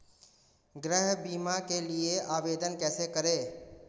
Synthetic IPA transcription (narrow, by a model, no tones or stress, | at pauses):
ɡɾəɦbiːmakelieʔaːʋeːd̪ənkɛːsekəɾeː